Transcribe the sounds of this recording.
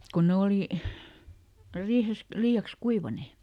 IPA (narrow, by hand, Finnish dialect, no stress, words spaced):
kon ne oliˑ riːhes liːɑks kuiʋɑneˑ